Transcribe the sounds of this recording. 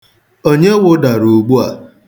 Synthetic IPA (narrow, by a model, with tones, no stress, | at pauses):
o˦ɲe˦wʊ˦da˨ɾu˨ɡ͡bu˦a̰˨